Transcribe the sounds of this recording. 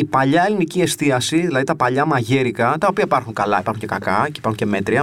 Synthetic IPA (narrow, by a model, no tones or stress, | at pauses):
ipɐʎɐelinicie̞st̪iɐsiðilɐðit̪ɐpɐʎɐmɐʝeɾikɐt̪ɐopiɐipɐɾxuŋkɐlɐ̰ipɐɾxuɲce̞kɐkɐcipɐɾxuɲceme̞t̪ɾiɐ